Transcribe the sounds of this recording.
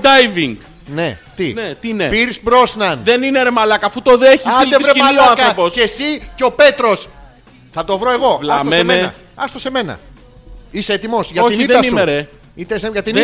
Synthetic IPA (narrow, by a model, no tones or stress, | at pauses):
d̪ajviŋɡ | net̪inet̪inḛpiɾisbɾo̞snɐnðenineɾemɐlɐkɐːfut̪oðeçiisɐid̪evɾeimɐlloankɐɐɾopose̞siceo̞pe̞t̪ɾo̞s | θɐt̪o̞vɾo̞e̞ɣo̞vlɐasomsenmenɐ̰ | ɐst̪o̞se̞me̞nɐ̰ | iseet̪imo̞sʝɐtoiniðet̪ɐsiumeɾe | it̪eseʝɐt̪in